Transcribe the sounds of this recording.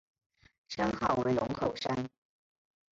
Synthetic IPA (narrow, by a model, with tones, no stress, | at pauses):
ʂʰa˥nxɑ˥˩ʊwe˧˥ɪlʊ̰˧˥ŋkʰo˨˩ʊʂa˥n